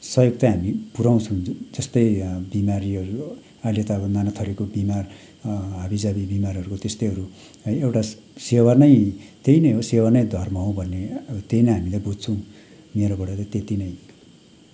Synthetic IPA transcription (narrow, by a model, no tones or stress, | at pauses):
sʌjoɡt̪aɦamipuɾaw̃t͡sʰʌ̃w̃d͡zʌst̪ʌjbimaɾiɦʌɾu | alet̪aːbʌnanat̪ʰʌɾekobimar | ɦabid͡zabibimarʌɾukot̪est̪ʌjɦʌɾu | ʌjewʈa | sewarnʌjt̪einʌjɦosewarnʌjd̪ʱʌrmʌɦõbʱʌnːet̪ejnʌɦamilabud͡zt͡sʰʌ̃w̃ | meɾobʌɽʌt̪ʌt̪et̪inʌj